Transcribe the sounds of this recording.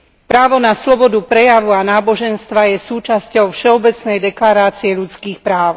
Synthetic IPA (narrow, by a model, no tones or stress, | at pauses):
pɾaːʋɔnaslɔbɔd̪upɾɛjaʋuanaːbɔʒɛnst̪ʋajɛsuːt͡ʃascɔʊfʃɛɔbɛt͡snɛjd̪ɛklaɾaːt͡sijɛʎut͡skiːxpɾaːʊ